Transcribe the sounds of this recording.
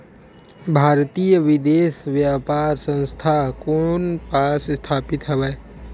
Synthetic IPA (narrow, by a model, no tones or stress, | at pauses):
bʱaːɾt̪iːjəʋɪd̪eːsʋjaːpaːɾsə̃nst̪ʰakonpaːsst̪ʰaːpɪt̪ɦɛʋɛː